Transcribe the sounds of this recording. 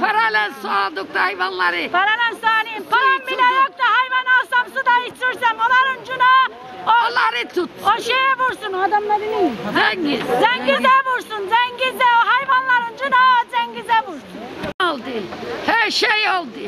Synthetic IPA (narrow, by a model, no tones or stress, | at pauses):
pʰaɾalɛlsualˠd̪uk̚t̪ahajvanlˠaɾɯpʰaɾalansaːnimpʰaɾambilajok̚t̪ahajvanalˠsamsud̪ait͡ʃyɾsɛmolˠaɾɯnd͡ʒuna | olˠaɾɯt̪ʰut̪ːoʃejɛbuɾsunad̪amlˠabilizɛɲizɛŋɡizɛbuɾsunzɛɲɡizɛoɦajvanlˠaɾɯnd͡ʒunazɛɲɡizɛbuɾsunalˠd̪ɯhɛɾʃejolˠd̪ɯ